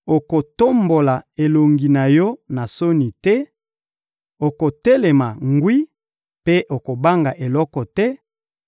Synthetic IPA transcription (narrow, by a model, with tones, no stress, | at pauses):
o˨ko˨to˦mbo˨la˨e˨lo˨ŋɡi˨na˨jɔ˦na˨so˦ni˨tɛ˦ | o˨ko˨tɛ˦le˨ma˨ŋɡwi˦ | pe˦ʔo˨ko˨ba˦ŋɡa˨ʔe˨lɔ˦kɔ˨tɛ˦